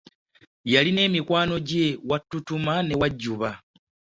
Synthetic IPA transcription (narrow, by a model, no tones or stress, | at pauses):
jaline̞ːmikwaːno̞ɟe̞watːutumane̞waɟːuβa